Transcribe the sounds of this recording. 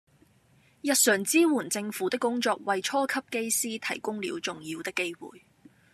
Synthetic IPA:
jɐ˨t̚sœː˨˩ŋt͡siː˥wuː˨˩nt͡sɪ˧ŋfuː˨˥t̪ɪ˥kːʊ˥ŋt͡sɔː˧k̚wɐ˨jt͡ʃʰɔː˥kʰɐ˥p̚ke˥jsiː˥t̪ʰɐ˨˩jkʊ˥ŋlḭ˨˧wt͡sʊ˨ŋjiː˧wt̪ɪ˥kːe˥jwṵː˨j

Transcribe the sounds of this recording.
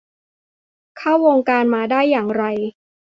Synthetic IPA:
kʰaː˥˩wːoː˧ŋkaː˧nmaː˧daː˥˩jːaː˨˩ŋɾa˧j

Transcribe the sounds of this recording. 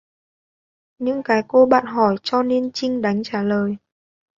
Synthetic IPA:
ɲɨ̰˧˥ŋkaː˨˦jko˧ɓa̰ː˧˨nɦɔ˧˩jt͡ɕɔ˧ne˧nt͡ɕï˧ŋ̟ɗa˨˦ŋ̟t͡ɕaː˧˩ləː˨˩j

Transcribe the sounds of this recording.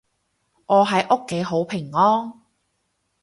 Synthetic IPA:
ʔɔː˨˧ɦɐ˨˧jʔo˥kːe˨˥jɦo˨˥wpʰɪ˨˩ŋːɔː˥ŋ

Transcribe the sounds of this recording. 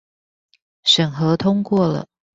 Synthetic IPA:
ʂə˨˩ŋxɤ˧˥t̪ʰʊ˥ŋkwɔ˥˩lə̰˨˩

